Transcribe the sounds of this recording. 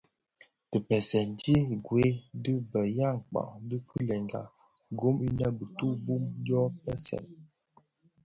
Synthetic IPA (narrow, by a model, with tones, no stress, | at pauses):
tə˨pɛ˨sɛ˨n˦di˦ɡwe˨˦dɨ˦bə˨ja˦˨ŋ̩˨k͡pa̰˨ʔdə˦kʰɨ˦lɛ˨ŋɡa̰˨ | ɡo˦mi˦na˦bə˨tu˦bu˦m˦dɔ˦pɛ˦sɛ̰˨